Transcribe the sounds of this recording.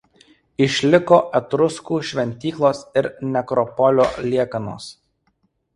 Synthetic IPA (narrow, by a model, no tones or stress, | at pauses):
ɪʃʲlʲɪkoːʔɛt̪ɾʊskuːʃʲʋʲɛnʲt̪ʲiːklˠoːsɪɾnʲɛkɾɔpɔlʲoːlʲiɛkɐno̰ːs